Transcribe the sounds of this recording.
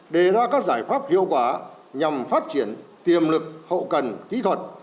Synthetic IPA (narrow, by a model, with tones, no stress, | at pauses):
ɗe˨˩zaː˧kaː˦˥k̚zaː˧˩jfaː˦˥p̚hḭ˧˨əwkwaː˧˩ | ɲa˨˩mfaː˦˥t̚t͡ɕi˧˩ənt̪i˨˩əmlɨ˨˩k̚hə̰˧˨wkə˨˩nki˨˦t̪ʰwə˨˩t̚